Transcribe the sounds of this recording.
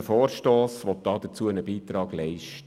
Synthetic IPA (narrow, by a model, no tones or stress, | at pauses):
əfɔːrʃtoːsʋɔt̪̚d̥ɑːd̪əɾt͡suəənəbiːt̪ɾɑːɡ̥lɛɪʃt